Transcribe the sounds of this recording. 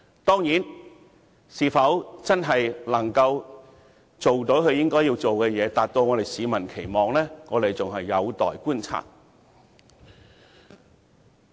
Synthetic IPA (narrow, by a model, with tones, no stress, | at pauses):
t̪ɔː˥ŋjiː˨˥n | siː˨˧fɐ˨˥wt͡sɐ˥nɦɐ˨jlɐ˨˩ŋkɐ˧w | t͡so˨wt̪o˨˥wkɵ˨˧ɥjɪ˥ŋkɔː˥jiː˧wt͡so˨wkɛː˧jɛː˨˧t̪aː˨t̚t̪o˧wŋɔː˨˧ɾe˨jsiː˨˧mɐ˨˩nkʰe˨˩jmɔː˨ŋlɛː˥ŋɔː˨˧t̪e˨˩jt͡sʊ˨ŋɦɐ˨jːɐ˨˧wt̪ɔ̰ː˨jkuː˥nt͡sʰa̰ː˧˩t̚